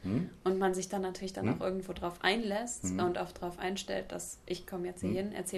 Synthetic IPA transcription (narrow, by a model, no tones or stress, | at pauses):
ʔʊntmanzɪçd̥anːatʰyːɐlɪçd̥anʔaʊxʔɪɐɡŋ̩tv̥oːdʁaʊfʔa̰ɪnlɛstʊntʔaʊfd̥ʁaʊfʔa̰ɪnʃtɛ̰lt̚d̥a̰sʔɪçkʰɔməjɛt͡sthiːɐhɪnʔɛ̰ɐt͡sɛː